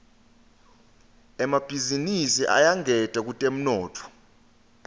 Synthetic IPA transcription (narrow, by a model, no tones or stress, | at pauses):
ɛmab̥ʱizinisiʔa̰jaŋʱɛtʼak̬utʼem̩nɔːtʰɔ̥